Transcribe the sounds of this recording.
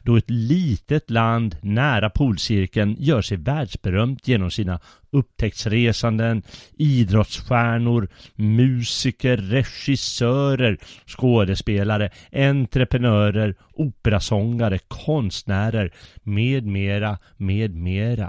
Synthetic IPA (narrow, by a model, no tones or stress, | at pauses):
d̪̥ɔɛt̪liːt̪ət̪land̪næːɾapʰuːlsɪɾkənjœːʂɛjvæːɖʂbɛɾœmt̪ʰjeːnɔmsiːna | ɵp̚t̪ʰɛk̚t̪sɾeːsand̪əniːd̪ɾɔt̪sɧæːɳʊɾmʉ̟ːsɪkəɾːɛɧɪsœːɾəɾskoːd̪əspeːlaɾəʔɛnt̪ɾəpɾɛnœːɾəɾ | ʔuːpəɾasɔŋːaɾəkʰɔnst̪næːɾəɾmeːd̪meːɾa | meːd̪meːɾa̰